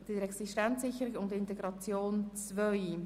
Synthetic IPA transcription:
d̥iɾɛksɪʃtɛnsɪçəɾɪɡʊndɪnt̪ɛɡɾɑt͡sjoːnt͡svœʏ

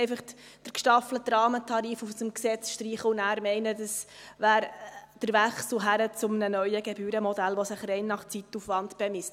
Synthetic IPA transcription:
ɪfɑχd̥əɾkʃtɑflətɾɑːmətʰɑɾiːfufsəmksɛt͡sʃtriːχəʊnæːɾmɛɪnədəsʋæːɾd̥əɾʋɛχsl̩ɦæɾət͡sʊmnənœʏəɡɛbyːɾəmɔdælʋɔsəχrɛɪnːɑχt͡sitːufʋɑntb̥ɛmɪst

